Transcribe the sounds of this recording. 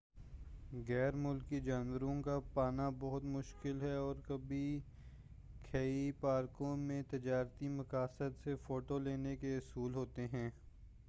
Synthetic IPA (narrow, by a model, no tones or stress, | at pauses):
ɣɛːɾmʊlkid͡ʒaːnwəɾõkapaːnabɔɦʊt̪mʊʃkɪlɦɛɔːɾkɐbi | kʰeːipaːɾkõmẽt̪ɪd͡ʒaːɾt̪imɐkaːsəd̪sefoːʈoleːnekeʊsuːlɦoːt̪eɦɛ̃ː